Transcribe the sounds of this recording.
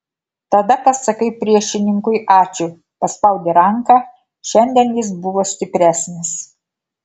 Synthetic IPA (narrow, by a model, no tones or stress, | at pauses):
t̪ɐd̪ɐpɐsɐkɐɪpʲɾʲiɛʃʲɪnʲɪŋkʊɪʔɑːt͡ʃʲʊ | pɐspɐʊd̪ʲeɾɐŋkɑː | ʃʲɛnʲd̪ʲɛnjɪsbʊʋoːsʲt̪ʲɪpʲɾʲæːsʲnʲɪs